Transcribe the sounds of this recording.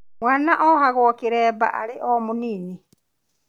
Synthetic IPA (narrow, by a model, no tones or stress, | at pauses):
mwaːnaʔɔhaɣwɔkeɾɛːba̰ʔa̰ɾeʔɔmuniːni